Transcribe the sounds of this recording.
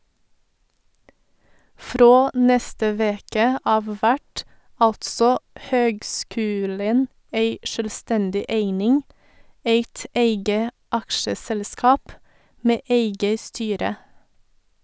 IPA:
ˈfɾoː ˈnɛstə ˈʋeːkə ˈɑːʋ ˈʋæʈ ˈɑltsɔ ˈhøːɡˌskʉːlən ˈeɪ ʃœlˈstɛndɪ ˈeɪnɪŋ ˈeɪt ˈeɪɡə ˈɑkʃəˌsɛlˌskɑːp ˈmeː ˈeɪɡə ˈstyːɾə

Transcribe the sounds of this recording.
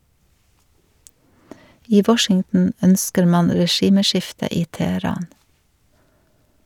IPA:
ˈiː ˈʋɔʃɪŋtn̩ ˈœnskəɾ ˈmɑn ɾɛˈʃiːməˌʃɪftə ˈiː tɛhəˈɾɑːn

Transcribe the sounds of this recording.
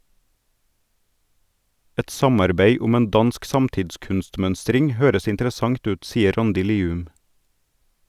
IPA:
ˈɛt ˈsɑmɑɾbeɪ ˈʊm ˈeːn ˈdɑnsk ˈsɑmtɪdˌskʉnstˌmœnstɾɪŋ ˈhøːɾəs ɪntəɾəˈsɑŋt ˈʉːt ˈsiːə ˈɾɑndɪ ˈliːʉm

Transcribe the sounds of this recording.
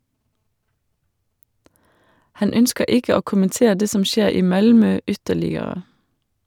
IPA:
ˈhɑn ˈœnskə ˈɪkə ˈoː kʊmənˈteː ˈdeː ˈsɔm ˈʃeːɾ ˈiː ˈmɑlmœ ˈʏtəlɪəɾə

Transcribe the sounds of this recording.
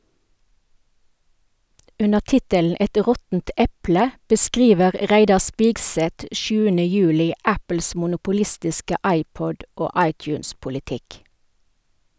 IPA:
ˈʉnəʁ ˈtɪtəln̩ ˈɛt ˈʁɔtn̩t ˈɛplə bəˈskʁiːʋəʁ ˈʁæɪdɑ ˈspɪɡsɛt ˈʃʉːənə ˈjʉːlɪ ˈæpl̩s mʊnʊpʊˈlɪstɪskə ˈɑɪˌpɔd ˈoː ˈɑɪˌtjʉːnspʊlɪˌtɪk

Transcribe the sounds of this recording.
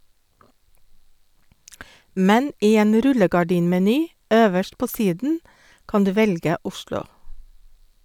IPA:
ˈmɛn ˈiː ˈeːn ˈɾʉləɡɑˌɖiːnmɛˌnyː ˈøːʋəʃʈ ˈpoː ˈsiːdn̩ ˈkɑn ˈdʉː ˈʋɛlɡə ˈʊʃlʊ

